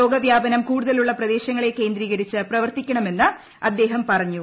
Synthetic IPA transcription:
o̞ːɡɐʋjaːbɐnɐmkuːɽuðɐluɭːɐprɐd̪e̞ːɕɐŋːɐɭe̞ke̞ːnd̪ɾiːɣɐɾit͡ɕːɨprɐʋɐrt̪ikʲːɐɳɐme̞nːɨ | ɐd̪ːe̞ːɦɐmpɐrɐɲːu

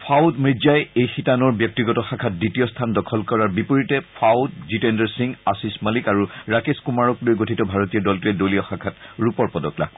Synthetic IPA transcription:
pʰawdmɹizajejxitanɔɹbjɔk̚tiɡɔtɔxakʰat̚ditiɔstʰandɔkʰɔlkɔɹaɹbipoɹitɛpʰawdzitɛndɛɹsiŋɡasismalikaɹuɹakeskumaɹɔklojɡotʰitɔbʱaɹotijɔdɔltuɛdoliɔxakʰatɹupɔɹpɔdɔkla̰k

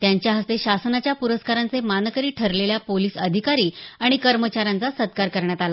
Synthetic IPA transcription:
t̪jaɲt͡ɕjaɦəst̪eɕasnat͡ɕjapuɾəskaɾant͡semanəkəɾiːʈʰəɾleljapoliːsəd̪ʱikaɾiːaɽ̃ikəɾmət͡ɕaɾant͡sasət̪̚kaɾkəɾɳjat̪ala

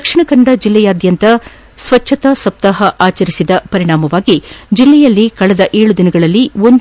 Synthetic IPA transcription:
kʂiɳɐkɐɳɖɐd͡ʒilːɛjaːd̪jɐnt̪ɐ | sʋɐt͡ʃʰːɐt̪ɐsɐp̚t̪ɐɦɐʔaːt͡ʃɐɾisid̪ɐpɐɾiɽaːmɐʋaːɡid͡ʒilːɛjɐlːikɐɭɛd̪ɐʔeːɭud̪inɐɡɐɭɐlːio̞nd̪

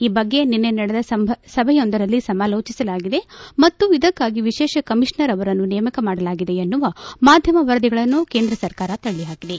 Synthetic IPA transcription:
iːbɐɡːe̞ninːenɐɽed̪ɐsɐbʱsɐbʱɐjond̪ɐɾɐlːisɐmaːlo̞ːt͡ʃisɐlaːɡid̪e̞mɐt̪ːuid̪ɐkːaːɡiʋiʃɛːʃɐkɐmiʂɳɐɾɐʋɐɾɐnːunɛjɐmɐkɐmaːɽɐlaːɡid̪e̞ɐnːuʋamaːd̪ʱjɐmɐʋɐɾd̪iɡɐɭɐnːuke̞ːnd̪ɾɐsɐɾkaːɾɐt̪ɐɭːiɦaːkid̪e̞

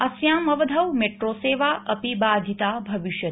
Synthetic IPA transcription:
ɐsjãːmɐʋɐd̪ʱɐʋmeːʈɾoːseːʋaːʔɐpibaːd̪ʱit̪aːbʱɐʋiʃjɐ

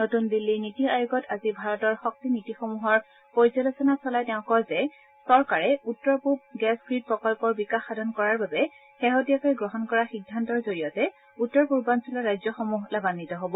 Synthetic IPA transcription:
notundilːinitiajuɡɔtazibʱaɹɔtɔɹxɔk̚tinitixomuɦɔɹ | poɹizɔlosɔnasɔlajtɛʊ̃kɔjzɛ | sɔɹkaɹɛutːɔɹpub̚ɡɛsɡɹit̚pɹɔkɔlpɔɹbikaxːadʱɔnkɔɹaɹbabɛ | xɛɦotijakojɡɹɔɦɔnkɔɹaxiɡ̚dʱantɔɹzoɹijɔtɛ | utːɔɹpuɹbansulɔɹajzjɔxomuɦlabanːitɔɦobɔ

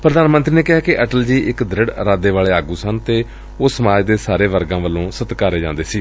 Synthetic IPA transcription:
pɾəd̪aːnmə̃nt̪ɾiːneːkɪɦaːkɪʔɛːʈəld͡ʒiːʔɪkd̪ɾɪɽɾaːd̪eːʋaːɭeːaːɡuːsənt̪eː | oːsəmaːd͡ʒd̪eːsaːɾeːʋəɾɡãːʋəlːõːsət̪kaːɾeːd͡ʒãːnd̪eːsiː

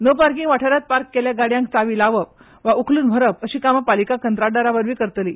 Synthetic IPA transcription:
nəpaɾkĩŋɡʋaʈʰəɾat̪̚paɾkːeljaɡaɽjãŋk̚t͡saʋiːlaʋəp̚ | ʋaukʰluːnbʱəɾəpəɕiːkamapalikakənt̪ɾaɖəɾaʋəɾʋiːkəɾt̪liː

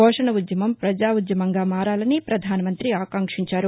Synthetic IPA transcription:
ɔːʂɐɳɐud̪jɐmɐmpɾɐd͡ʒaːud̪jɐmɐŋɡaːmaːɾaːlɐnipɾɐd̪ʱaːnɐmɐnt̪ɾiaːkaŋkʂiɲt͡ʃaːɾu

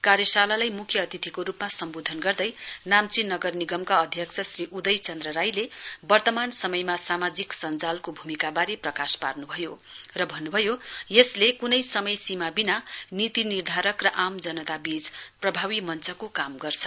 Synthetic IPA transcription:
karɾjʌsalalajmukʰjʌːt̪it̪ʰikoɾupmasʌmbod̪ʱʌnɡʌrd̪ʌjnamt͡sinːʌɡʌrniɡʌmkaʌd̪ʱjʌkt͡sʰʌsriʔud̪ʌjt͡sʌnd̪rʌɾajlebʌrt̪ʌmansʌmʌjmasamad͡ziksʌnd͡zalkobʱumikabaɾeprʌkasparnubʱʌjo | rʌbʱʌnːubʱʌjojeslekunʌjsʌmʌjsimabinanit̪inird̪ʱaɾʌkrʌʔamd͡zʌnʌt̪abid͡zprʌbʱawimʌnt͡sʌkokamɡʌrt͡sʰʌ

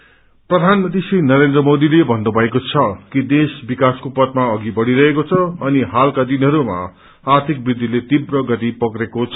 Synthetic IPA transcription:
prʌd̪ʱanmʌnt̪isinʌɾend̪rʌmod̪ilebʱʌnːobʱʌekot͡sʰʌkid̪esbikaskopʌt̪̚maʌɡibʌɽiɾʌɦekot͡sʰʌʌniɦalkad̪inɦʌɾuma̰ː | rt̪ʰik̚brid̪ʱːilet̪ibrʌɡʌt̪ipʌkɾekot͡sʰʌ

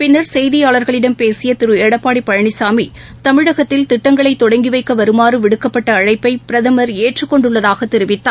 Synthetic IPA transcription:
pɪnːɐɾsɛjðɪjaːɭɐɾɣɐɭɪɽɐmpeːsɪjɐt̪ɪɾɯeːɽɐpːaːɽipːɐɻɐɳɪsaːmi | t̪ɐmɪɻɐɣɐt̪ːɪlt̪ɪʈːɐŋɡɐɭɐɪt̪ːɔɽɐŋɡɪʋɐɪkːɐʋɐɾɯmaːrɯʋɪɽɯkːɐpːɐʈːɐːɻɐɪpːɐɪpɪɾɐðɐmɐɾeːʈrɯkːɔɳɖɯɭːɐðaːɣɐt̪ːɛɾɯʋɪt̪ːaː

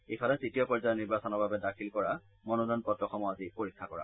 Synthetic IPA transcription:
efʰalatsitijɔpɔɹzajɔniɹbasɔnɔɹbʱabɛdakʰilkɔɹa | mɔnodɔnpɔtɹɔxʰɔmɔazipoɹikʰːakɔɹa̰

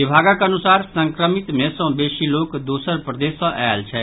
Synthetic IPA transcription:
ɪbʱaːɡakɐnʊsaːɾsə̃ŋkɾəmɪt̪mẽsɔ̃beːʃiloːkd̪oːsəɾpɾəd̪eːsãʔɛːlt͡ʃʰɛː

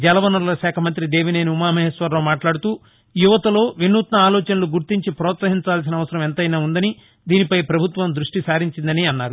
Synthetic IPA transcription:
d͡ʒɛlɐʋɐnɐɾlɐʃaːkʰɐmɐnt̪ɾid̪e̞ːʋineːniumaːmɐɦɐsʋɐɾloːmaːʈlaːɽut̪uː | juʋɐt̪ɐlo̞ːʋinːuːt̪nɐaːlɔːt͡ʃɐnɐluɡuɾt̪iɲt͡ʃipɾɔːt̪sɐɦiɲt͡ʃaːls̬inɐʋɐsɐɾɐmɛnt̪ɐjnaːund̪ɐni | d̪iːnipɐjpɾɐbʱut̪ʋɐmd̪ɾuʂʈisaːɾiɲt͡ʃind̪ɐniɐnːaːɾu

